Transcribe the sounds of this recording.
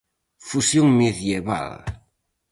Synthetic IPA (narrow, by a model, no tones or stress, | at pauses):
fusjuŋmeðjeβa̰l